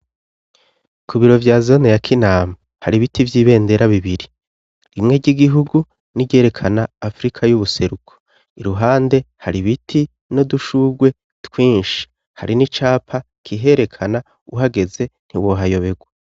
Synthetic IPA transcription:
kʰuβiɾo̞vjaːzo̞nejakʰinaːma | haɾiβitivjiːβe̞ːnde̞ɾaβiβiɾi | imŋeɟiɡiɦuɡu | niɟe̞ːɾe̞kʰanaːfɾikʰajuβuse̞ɾukʰo | iɾuɦaːnde̞haɾiβitʰi | no̞duʃuːɡwe̞ | tkwiːnʃi̥ | ha̰ɾinit͡ʃaːpʰa | kʰiɦe̞ɾe̞kʰana | uɦaɡe̞ze̞n̥hiwo̞ɦajo̞βe̞ɡwa

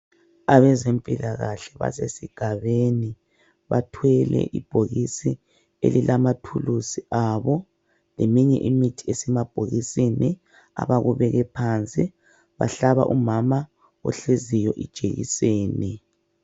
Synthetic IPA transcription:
aβɛzempʼilaɣaɬɛβa̰sesiɡ̥ʱaβeni | βatʰwɛlɛ̰ʔib̥ʱoɣisi | ḛlilamatʰulusiʔaβɔ | lemiɲɛ̰ʔimitʰi̥esɛmab̥ʱoɣisini | a̰βaɣuβɛɣɛpʰant͡sʼi | βa̰ɬaβa̰ʔumama | ɔ̰ɬezijɔʔid̥ʒ̥ʱeɣḭseːnɛ

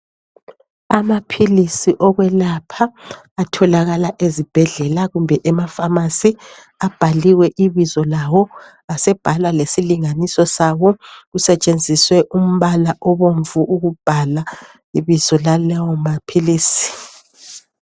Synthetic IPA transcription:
amapʰilisiʔɔɣwɛlapʰaː | tʰɔlaɣalaʔezib̥ʱɛɮɛlaɣumbʱɛʔɛmafamasi | ab̥ʱaliwɛʔiβizɔlawɔ | asɛb̥ʱalwalesiliŋanisɔsawɔɣusɛt͡ʃʼend͡zʱiswɛʔum̩βalaʔɔβoɱvuʔːɣub̥ʱala | iβizɔlalɛwɔmapʰiliːsi̥

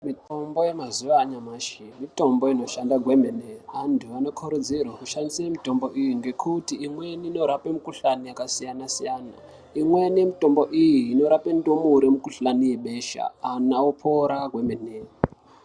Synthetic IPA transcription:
mito̞mbo̞je̞mazuʋaːɲamaːʃimito̞mbo̞ino̞ʃandaɡʱwe̞meneantʰuano̞kʰoɾud͡zirwakuʃandisiemito̞mbo̞ʔijiŋɡe̞kʰutiːmwe̞niino̞ɾapemukuɬanijakasijanasijaːna̰ | imweniemito̞mbo̞ʔijiːno̞ɾape̞ndomuɾemukuɬanije̞ɓe̞ʃa̰ːnaupʰoɾaɡʱwe̞mene

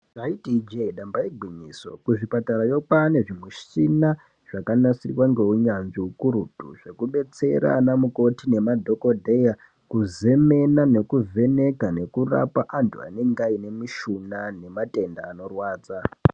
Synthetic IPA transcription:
ʐaitid͡ʒeiɗambaiɡʱiɲiso̞̰kuʐipataɾajo̞kane̞ʐimwiʃina | ʐ̥akanasirwaŋɡe̞uɲanʐiukuɾutṵʐe̞kuɓe̞t͡se̞̰ɾa̰namuko̞tine̞madʱo̞ko̞dʱeja | kuze̞me̞nane̞kuvʱe̞ne̞kane̞kura̰paʔantʰua̰ne̞ŋɡaine̞miʃunane̞mate̞ndaːno̞rwaːd͡za

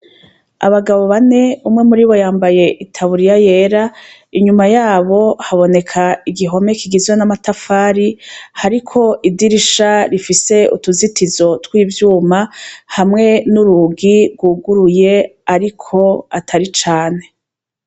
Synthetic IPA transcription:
a̰βaɡaβo̞βane̞umŋe̞muɾiβo̞jaːmbaje̞ʔitʰaβuɾijaje̞ːɾa | iɲumajaːβo̞haβo̞ne̞kʰaiɡiɦo̞me̞kʰiɡizwanamatafaːɾihaɾikʰo̞ʔidiɾiʃaɾifise̞ṵtuzitizo̞twiːvjuːmahamŋe̞nuɾuɡiɡwuːɡuɾuje̞aɾikʰo̞atʰaɾit͡ʃaːne̞

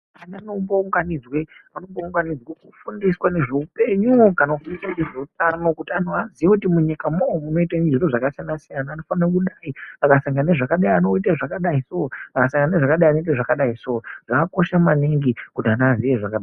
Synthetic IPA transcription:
anano̞mbouŋɡanid͡zweano̞mbouŋɡanid͡zwekufundiswane̞ʐe̞upe̞ɲukanakufundiswaneʐeut̚ano̞kutianuɦaziʋekutimuɲikamoomuno̞itand͡ʒiroʐakasijanasijanaːno̞fanarok̬uɗaiakasaŋɡaneʐakaɗajiano̞itaʐakaɗaisoakasaŋɡaneʐakaɗajiano̞it̬aʐakaɗaisooʐ̥akako̞ʃamaniŋɡikutianazijeʐakaɗa

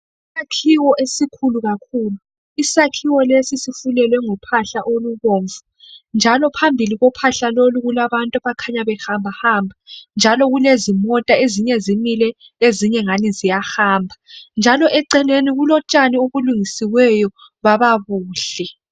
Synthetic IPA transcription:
isakʰiwɔʔesikʰuluɣakʰuːlu | isakʰiwɔlesisifulɛlwɛŋupʰaɬaʔoluβoːɱvu | nd͡ʒʱalɔpʰambʱiliɣɔpʰaɬaloluɣulaβantʼuβakʰaɲaβɛxambʱahambʱand͡ʒʱalɔɣulezimɔtʼaeziɲɛzimilɛ | eziɲɛŋanizijaxaːmbʱand͡ʒʱalɔʔɛǀɛleniɣulɔt͡ʃʼanioɣuluŋisiwɛjɔ | βaβaβuːɬɛ

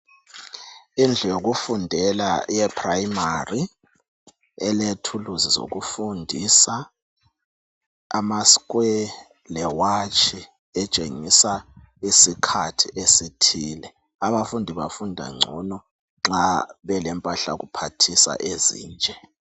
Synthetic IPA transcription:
ind͡ɮʱɛjoɣ̬ufundʱɛlajɛpʰrajimari | ɛletʰuluzizo̰ɣufundʱisa | maskwɛ | lɛwat͡ʃʼʰi | ɛt͡ʃʼeŋisa | isikʰatʰiʔesitʰiːlɛ | aβafundʱiβafundʱa̰ŋ͡ǀʱunɔ | ŋ͡ǁaβɛlɛmpʼaɬa̰ɣupʰatʰisa̰ʔezḭːnt͡ʃʼɛ

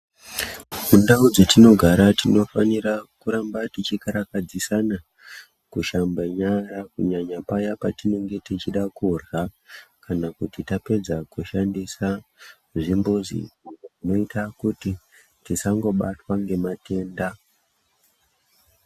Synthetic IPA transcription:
mundaud͡zotino̞ɡʱaɾatino̞faniɾakuɾambatit͡ʃikaɾakad͡zisana | kuʃambaɲarakuɲaɲapajapatine̞ŋɡe̞tit͡ʃiɗakurɣakanakutitape̞d͡zakuʃandisa | ʐimbuzḭiʐino̞itʰakuti | tisaŋɡo̞ɓatwaŋɡe̞mate̞ːnda

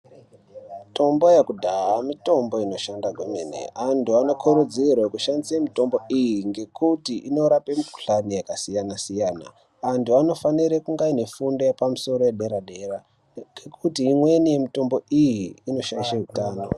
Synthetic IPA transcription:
mito̞mbo̞jakudʱaɦamito̞mbo̞ino̞ʃandaɡʱomḛnḛantuano̞kʰoɾud͡zirwakuʃandisemito̞mbo̞ijiŋɡe̞kutiʔino̞ɾape̞miku̥ɬanijakasijanasijaːna̰ | antuano̞faniɾekuŋɡaine̞fundo̞jepamuso̞ɾojeɗe̞ɾaɗe̞ɾa | ekʰutiːmwe̞nije̞mito̞mbo̞ijiːno̞ʃaiʃaɦutaːno̞̰

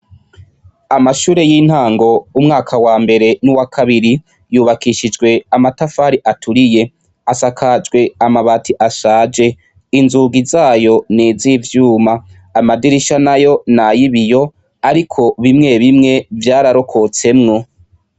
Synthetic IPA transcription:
amaʃuːɾe̞jin̥haːŋɡo̞umŋaːkʰawaːmbe̞ɾe̞nuwakʰaβiɾi | juːβakiʃid͡ʒɡwe̞amatafaːɾiʔatuɾije̞ | asakʰad͡ʒɡwe̞amaβatʰiʔaʃaːd͡ʒe̞ | inzuːɡizaːjo̞nizivjuːmaː | madiɾiʃanajo̞najiβijo̞ | aɾikʰo̞βimŋe̞βimŋe̞vjaːɾaɾo̞kʰo̞t͡se̞mŋo̞

